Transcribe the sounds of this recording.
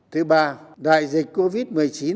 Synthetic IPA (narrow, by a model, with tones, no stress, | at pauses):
t̪ʰɨ˨˦ɓaː˧˩ɗa̰ː˧˨jzi˨˩k̟̚ko˧vi˦˥t̚mɨ˨˩əjt͡ɕi˨˦